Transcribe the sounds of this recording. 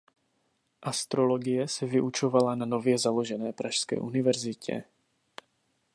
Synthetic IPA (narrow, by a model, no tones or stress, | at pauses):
ʔast̪ɾo̞lo̞ɡɪjɛsɛvɪʔut͡ʃo̞valanano̞vjɛzalo̞ʒɛnɛːpɾaʃskɛ̰ːʔunɪvɛɾzɪcʰɛ̰